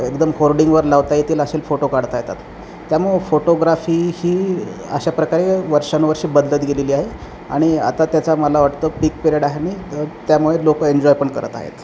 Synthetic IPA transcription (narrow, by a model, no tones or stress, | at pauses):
ekd̪əmhoɾɖiŋɡʋəɾlaʋt̪ait̪iːləɕelfoʈokaɽt̪ajt̪a̰t̪ː | jamuɭefoʈoɡɾafiːhiːə̰ɕapɾəkaɾeʋəɾʂanʋəɾɕiːbəd̪lət̪ɡeleliːaɦe | a̰ɽ̃ia̰t̪at̪jat͡saməlaʋaʈt̪əːpikpeɾeɽaɦenit̪jamuɭelokəeɲd͡ʑɔjpəɳkə̰ɾə̰t̪a̰ɦḛt̪